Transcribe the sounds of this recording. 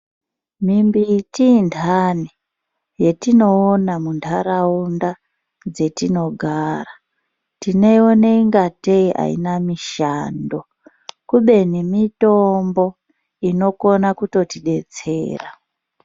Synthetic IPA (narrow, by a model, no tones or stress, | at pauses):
mimbitiːndʰʱane | je̞tino̞ːnamundʰʱaɾaunda | d͡ze̞tino̞ɡʱara | tine̞oneiŋɡateiʔa̰ḭnamiʃando̞ | kuɓe̞nimitombo̞ | ino̞ko̞nakuto̞tiɗe̞t͡se̞̰ːra